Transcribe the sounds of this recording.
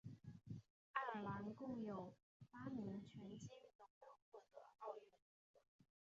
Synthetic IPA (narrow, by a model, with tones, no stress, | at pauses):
a˥˩˨la˧˥nkʊ˥˩ŋjo˨˩ʊ | pa˥mi˧˥ŋt͡ɕʰɥɛ˧˥nt͡ɕi˥˩ŋ˥˩d̪ə˩kə˥nxwɔ˥˩d̪ə˧˩˦ɑ˥˧ʊɛ˥˩n˥